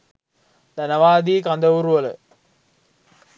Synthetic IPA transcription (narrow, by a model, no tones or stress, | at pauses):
d̪ɐnɐʋaːd̪iːkand̪ɐʋuɾuʋələ̰